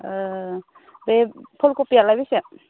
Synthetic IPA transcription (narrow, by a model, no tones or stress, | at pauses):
bepʰɔlkɔpialajbese